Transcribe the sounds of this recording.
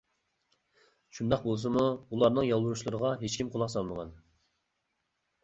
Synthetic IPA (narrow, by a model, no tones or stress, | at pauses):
ʃund̪ɑq̚bolˠs̬ɨmuulˠɑɾnɨŋjɑlˠwuɾuʃlˠɨɾəʁɑɦet͡ʃkʲimqʰʊlˠɑqsɑlˠməʁɑn